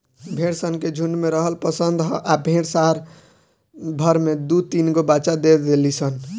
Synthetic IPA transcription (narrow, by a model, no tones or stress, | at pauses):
bʱẽɽsənked͡ʒʱunɖmeɾəɦəlpəsənd̪ɦʔabʱeɽsaɦɾ | bʱəɾmed̪ut̪inɡobat͡ʃad̪ed̪elisən